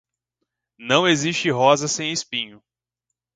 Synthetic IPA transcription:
nɐ̃w̃eziʃt͡ʃɪɦɔzɐsẽj̃ɪspĩɲʊ

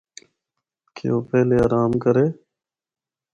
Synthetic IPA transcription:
kʰɪ̰oːpɛːleːaːɾaːmkəɾeː

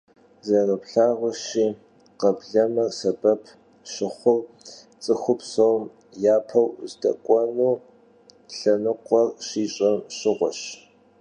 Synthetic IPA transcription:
zɐrɐpɬaːʁʷʊʃiː | qɐbɮɐmɐrsɐbɐpʰ | ɕɪχʷʊr | t͡sʼɨxʷʊpsowm | jaːpʰɐwzdɐ̰kʷʼɔnuː | ɬɐnɨqʷʼɔrɕiːɕʼɐmɕɪʁʷɔɕ

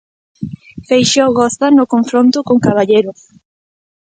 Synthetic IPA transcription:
fejʃowɣɔθt̪anʊkoɱfɾont̪ʊkoŋkaβ̞aʎejɾʊ

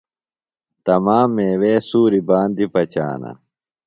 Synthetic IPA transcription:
t̪ɐmaːmːeːweːsuːɾibaːnd̪ipɐt͡ɕa̰ːnɐ̰

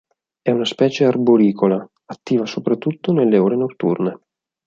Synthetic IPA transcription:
ɛunaspɛːt͡ʃearboɾiːkʰola | at̪ːiːvasopɾat̪ːut̪ːonelːeoːɾenot̪ːṵrne

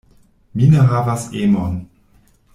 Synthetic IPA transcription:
minəɦavasemon

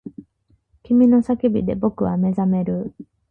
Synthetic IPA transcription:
kʲimʲino̞sakʲibʲid̪e̞̰bo̞kɯ̟βame̞zame̞ɾɯ̟

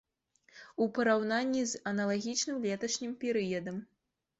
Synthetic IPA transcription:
upɐɾawnanʲːizɐnɐlˠaɣʲit͡ʂnɨmlʲɛt̪ɐʂnʲimpʲɛɾɨjɐd̪ɐm

